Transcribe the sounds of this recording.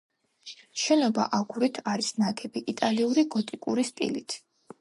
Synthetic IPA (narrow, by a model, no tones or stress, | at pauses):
ʃɛnɔba̰ʔaɡuɾit̪ʰaɾisnaɡʰɛbiʔit̪ʼaliuɾiɡɔt̪ʼikʼṵɾist̪ʼḭlit̪ʰ